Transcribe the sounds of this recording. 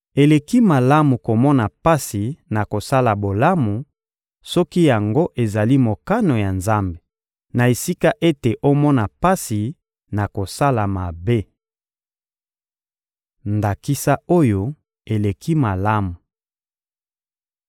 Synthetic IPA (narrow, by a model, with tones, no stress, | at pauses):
e˨le˨ki˦ma˨la˦mu˨ko˨mɔ˦na˨pa˦si˨na˨ko˨sa˦la˨bo˨la˦mu˨ | sɔ˦ki˦ja˨ŋɡo˦ʔe˨za˨li˦mo˨ka˦no˨ja˨nza˦mbe˨ | na˨e˨si˦ka˦ʔe˦te˨ʔo˦mɔ˦na˨pa˦si˨ | na˨ko˨sa˦la˨ma˨be˦ | nda˨ki˦sa˦o˦jo˦˨ | e˨le˨ki˦ma˨la˦mu˨